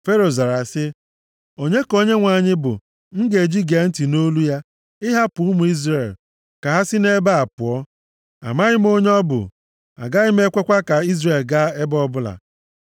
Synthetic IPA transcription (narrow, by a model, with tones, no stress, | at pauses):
fe˦ɾo˨za˨ɾa˨sɪ˦ | o˨ɲe˦ko˦ɲe˦ŋʷa˨ɲɪ˦bʊ̰˨ | ŋ̩˦ɡe˨d͡ʒi˦ɡe˨˦n̩˦ti˨no˦lu˦ja˦ | ɪ˦ɦa˦pʊ˨u˦mu˨i˦zɾe˨l | ka˨ɦa˦sɪ˦ne˦ba˦a˨pʊ˨ɔ˦ | a̰˨ma˦ɣɪ˦m˦o˦ɲ˦ɔ˦bʊ̰˨ | a̰˨ɡa˦ɣɪ˦m˦e˦kʷe˦kʷa˦ka˨i˦zre˨lɡa˦e˦bɔ˦bʊ˦la̰˨